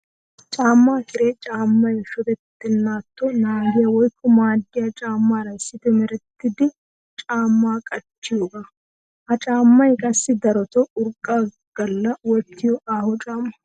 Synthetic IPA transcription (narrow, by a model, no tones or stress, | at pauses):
t͡ʃʼaːmːaːkɪɾet͡ʃʼaːmːɐjʃɔd̪ɛt̪ːɪnːaːt̪ːɔnaːɡɪjɐwɔjkːɔmaːɡɪjɐt͡ʃʼaːmːaːɾɐɪsːɪt̪ɛmɛɾɛt̪ːɪd̪ɪ | t͡ʃʼaːmːaːkʼɐt͡ʃːɪjoːɡa | hɐt͡ʃʼaːmːɐjkʼɐsːɪd̪ɐɾɔt̪ɔʊɾkʼːa | ɡ̥ɐlːɐwɔt̪ːɪjɔʔaːhɔt͡ʃʼaːmːɐ̥